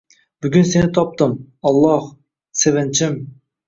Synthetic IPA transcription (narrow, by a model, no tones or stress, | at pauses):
byɡʲynsenɪt̪ʰɑp̚t̪ɨmɑlˠːɑh | sevɛnt͡ʃʰɪm